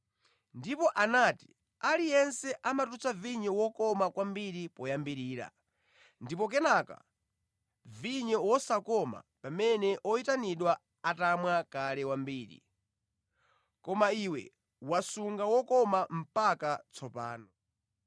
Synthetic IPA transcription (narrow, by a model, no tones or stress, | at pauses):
ndipɔʔanati̥ | alijɛnsɛʔamatut͡saviɲɔwɔkɔmakwambiɾipɔjambiɾiːɾa̰ | ndipɔk̬ɛnaka̰ | viɲɔwɔsakɔma̰pamɛnɛʔɔitaniɗwa | atamwakalɛwambiːɾḭ | kɔmaiwɛ̰ | wasuŋɡawɔkɔmam̩pakat͡sʰɔpa̰ːnɔ